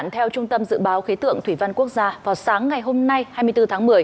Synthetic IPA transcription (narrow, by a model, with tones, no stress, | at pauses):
nt̪ʰɛ˧wt͡ɕʊ˧ŋ͡mt̪ə˧mzɨ̰˧˨ɓaː˨˦wxi˨˦t̪ɨ̰˧˨əŋt̪ʰwi˧˩va˧nku˦˥ək̚zaː˧vaː˨˩wsaː˨˦ŋːa˨˩jɦo˧mna˧jhaː˧jmɨ˧əjt̪ɨ˧t̪ʰaː˨˦ŋmɨ˨˩əj